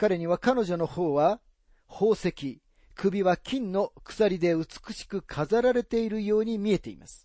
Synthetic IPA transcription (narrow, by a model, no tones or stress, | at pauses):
kaɾe̞ɲ̟iβakano̞ʑo̞no̞ho̞ːβa | hoːse̞kʲi | kɯ̟bʲiβakʲĩnːo̞kɯ̥saɾʲid̪e̞ɯ̟t͡sɨ̥kɯ̟̥ɕi̥kɯ̟kʰazaɾaɾe̞t̪e̞iɾɯ̟jo̞ːɲ̟imʲie̞t̪e̞ḭma̰sɨ̥